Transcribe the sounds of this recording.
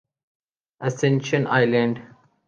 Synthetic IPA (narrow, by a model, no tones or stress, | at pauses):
əsɛ̃nʃə̃na̰ɪlə̃ɳɖ